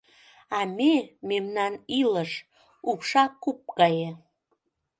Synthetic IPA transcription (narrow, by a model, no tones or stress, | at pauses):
ɑmememnɑniləʃ | ukʃɑkup̚kɑje